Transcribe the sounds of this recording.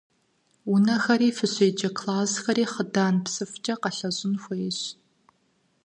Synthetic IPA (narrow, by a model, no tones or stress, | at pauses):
unɐxɐɾiːfɨɕʷeːd͡ʒɐkʰlaːsxɐɾiːχədaːnpsɨft͡ʃʼɐqɐɬɐʑɪnxʷejɪɕ